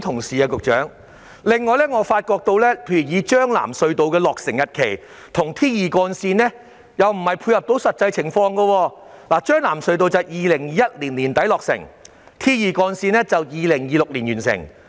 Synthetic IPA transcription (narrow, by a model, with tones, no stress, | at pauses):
t̪ʰʊ˨˩ŋsiː˨aː˧kʊ˨k̚t͡ʃœː˨˥ŋ | lɪ˨ŋːɔː˨˧jlɛː˥ŋɔː˨˧faː˧t̚kɔː˧k̚t̪o˧wlɛː˥pʰe˧jyː˨˩jiː˨˧t͡ʃœː˥ŋla̰ː˨˩msɵ˧ɥt̪o˨wkɛː˧lɔː˨k̚sɪ˨˩ŋjɐ˨t̚kʰe˨˩j | t̪ʰʊ˨˩ŋt̪ʰiː˥jiː˨kɔː˧nsiː˧nːɛː˥ | jɐ˨wm̩˨˩hɐ˨jpʰuː˧jhɐ˨p̚t̪o˨˥wsɐ˨t̚t͡sɐ˧jt͡sʰɪ˨˩ŋfɔː˧ŋɡɐ˧wɔː˧laː˨˩t͡ʃœː˥ŋlaː˨˩msɵ˧ɥt̪o˧wt͡sɐ˨wjiː˨˧lɪ˨˩ŋjiː˨˧jɐ˥t̚liː˨˩nliː˨˩nt̪ɐ˨˥jlɔː˨k̚sɪ̰˨˩ŋ | t̪ʰiː˥jiː˨˧kɔː˧nsiː˧nɛː˥t͡sɐ˨wjiː˨lɪ˨˩ŋjiː˨˧lʊ˨k̚liː˨˩njyː˨˩nsɪ̰˨˩ŋ